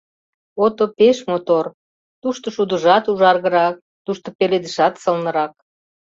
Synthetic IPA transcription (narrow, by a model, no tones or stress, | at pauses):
ot̪opeʃmot̪or | t̪uʃt̪oʃud̪əʒɑt̪uʒɑrɣə̆ɾɑk̚ | t̪uʃt̪opeled̪əʃɑt̪səlnə̆ɾɑk̚